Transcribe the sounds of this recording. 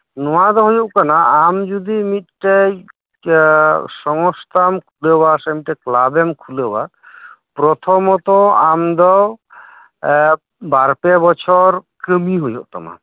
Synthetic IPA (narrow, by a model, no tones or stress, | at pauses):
nɔwad̪ɔɦojɔʔkanaʔamd͡ʒud̪imit̪̚ʈej | sɔŋɔst̪ʰamkʰulewasamiteklabemkʰulewa̰ | pɾɔt̪ʰɔmɔt̪ɔamd̪ɔw | baɾpebɔt͡ʃʰɔɾkəmiɦojɔʔt̪ɔ̰ma̰